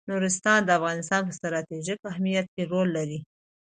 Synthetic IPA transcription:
nuɾɪst̪ɑnd̪əafɣɑnɪst̪ɑnp̬əst̪ɾɑt̪eʒikahmijat̪̚keɾolːaɾi

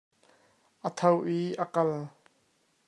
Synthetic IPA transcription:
ʔət̪ʰɐwʔiʔəkɐl

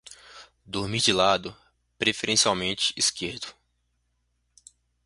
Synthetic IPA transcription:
d̪oɾmid͡ʒɪlad̪ʊ | pɾefeɾẽsiawmẽnt͡ʃɪ̥iskeɾd̪ʊ

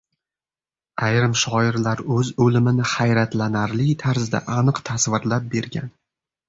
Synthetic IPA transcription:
ajɾɪmʃɒɪɾlaɾɵzɵlɪmɪnɪhajɾat̪lanaɾlɪt̪ʰaɾzd̪a̰ʔanɨqt̪ʰasvɪɾlap̚be̞ɾɡʲa̰n

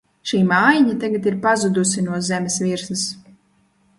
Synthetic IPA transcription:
ʃiːmaːjiɲat̪aɡat̪iɾpazud̪usinuɔzɛmʲesviɾsɨs

